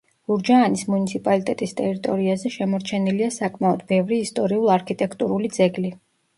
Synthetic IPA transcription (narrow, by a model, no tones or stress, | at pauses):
buɾd͡ʒaːnismunit̪sʰipʼalit̪ʼɛt̪ʼist̪ʼɛɾit̪ʼɔɾiazɛʃɛmɔɾt͡ʃʰɛniliasakʼmaɔd̪bɛvɾiːst̪ʼɔɾiulˠaɾkʰit̪ʼɛkʰt̪ʼuɾulid̪zɛɡli